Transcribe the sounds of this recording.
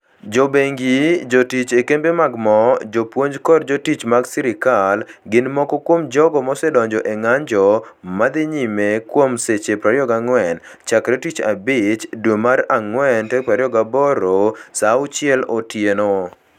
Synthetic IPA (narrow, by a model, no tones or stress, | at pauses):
d͡ʒobeŋɡid͡ʒotit͡ʃekembemaɡmɔd͡ʒopwoɲd͡ʒkɔrd͡ʒotit͡ʃmaɡsiɾɪkalɡɪnmɔkɔkwomd͡ʒɔɡɔmɔsɛdɔɲd͡ʒɔʔeŋaɲd͡ʒɔmad̪ɪɲimekwomset͡ʃepɾaɾjɔɡaŋwɛn | t͡ʃakɾetit͡ʃa̰bɪt͡ʃdwomaɾaŋwɛntɛpɾaɾɪɔɡabɔɾosaʊt͡ʃɪɛlotjeno